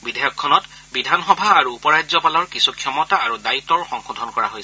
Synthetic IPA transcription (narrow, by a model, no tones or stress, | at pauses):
bidʱɛjɔkʰːɔnɔt | bidʱanxɔbʱaːɹuːpɔɹazɔpalɔɹkisukʰjɔmɔtaaɹudaitːɔɹxɔŋxɔdʱɔnkɔɹa̰ɦojsɛ